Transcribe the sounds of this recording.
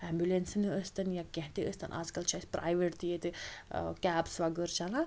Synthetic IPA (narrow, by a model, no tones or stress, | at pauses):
ɛmbjulensɨnɨəst̪ɐnjakẽɦt̪iəst̪ʰɐnʔa̰zkɐlt͡ʃʰaːjsʲpɾʔa̰ːjʋeʈt̪ijet̪ɨkæːpsʋaɡəɾt͡ʃalã